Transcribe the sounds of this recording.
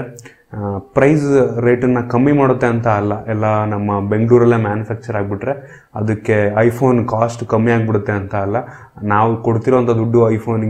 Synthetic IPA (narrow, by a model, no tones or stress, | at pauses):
pɾɐjsɾe̞ːʈɐnːɐkɐmːimaːɽut̪ːe̞ɐnt̪ɐːlːɐʔɛlːɐnɐmːɐbe̞ŋɡɭuːɾɐlːeːmjaːnjupʰaːk̚t͡ʃɐɾaːɡ̚biʈɾe̞ | ɐ̰d̪ɐkːe̞ɐjpʰo̞ːnkaːsʈkɐmːiaːɡbiɽut̪ːe̞ɐnt̪ɐːlːɐ | naːʋukoɽt̪iɾoɐnt̪ɐd̪uɖːuɐjpʰoːnɡ